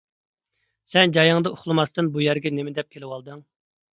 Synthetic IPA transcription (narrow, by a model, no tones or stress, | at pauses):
sɛnd͡ʒɑjɑŋd̪ɑoχlˠɨmɑst̪ɨnbujɛɾɡʲɛnemɪd̪ɛp̚kʲʰelɪwɑlˠd̪ɨŋ